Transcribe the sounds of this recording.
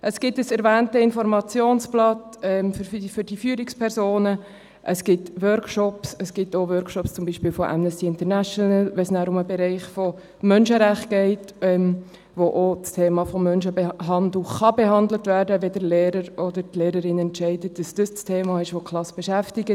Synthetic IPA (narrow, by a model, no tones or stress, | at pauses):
ʔəsɡ̥ɪtəsɛɾvæːntəɪnfɔɾmɑt͡sjoːnsplɑtɛmffʏɾd̥ifyːɾɪkspʰɛɾsoːnə | ʔəsɡ̥ɪtʋœɾkʃɔpsəsɡ̥ɪtoʋœɾkʃɔpst͡sʊmbiːʃpiːlfɔʔɛ̰mnɛstiɪntəɾnæʃɔnəlʋɛsnæːɾʊməbɛɾɛɪχfo | mœnʃəɾæχt̚ɡ̥ɛɪtɛm | ʋoʔot͡stʰeːmɑfɔmːœnʃəbɦɑndluχɑbeɦɑnd̪lətvæːɾdəʋedəleːɾəɾɔdəɾtleːɾəɾɪnɛntʃɛɪdətd̥ɑsd̥əst͡stʰeːmɑːɪʃʋokʰlɑsb̥ɛʃæftɪɡə